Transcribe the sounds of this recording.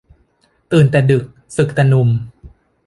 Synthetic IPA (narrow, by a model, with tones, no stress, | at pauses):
t̪ɯː˨˩nt̪ɛː˨˩dɯ˨˩k̚ | sɯ˨˩k̚t̪a˧nu˧m